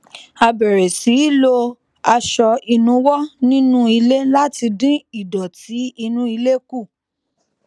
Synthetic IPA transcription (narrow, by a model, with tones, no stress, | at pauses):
a˧bɛ˨ɾe˨si˨˦lo˧ | a˧ʃɔ˧i˧nũ˨˦wɔ˦nĩ˦nũ˦i˧le˦la˦ti˧dĩ˦i˦˨dɔ˨ti˨˦i˧nũ˦i˧le˦ku˦˨